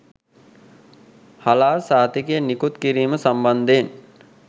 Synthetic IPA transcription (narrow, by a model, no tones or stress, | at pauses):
halaːɾsaːt̪ikijənikut̪kiɾiːməsamband̪eːn